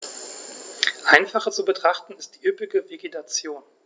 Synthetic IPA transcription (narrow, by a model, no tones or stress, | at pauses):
ʔaɪnfaχət͡subətʁ̥aχtn̩ɪst̚d̥iːʔʏpɪɡəveɡetʰat͡sjoːn